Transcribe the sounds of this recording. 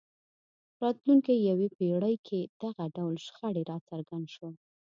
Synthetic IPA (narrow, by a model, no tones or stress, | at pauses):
ɾɑt̪luŋkijawepeɽəjkʰed̪̥aɣaɖawlʃxəɽeɾɑt͡saɾɡand̪ʃə